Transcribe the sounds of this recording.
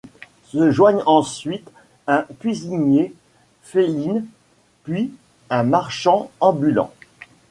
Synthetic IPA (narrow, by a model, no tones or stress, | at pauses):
səʒwaɲɑ̃sɥit̪ | ɛ̃kʲɥiziɲje | felin | pɥi | ɛ̃maʁʃɑ̃ɑ̃bylɑ̰̃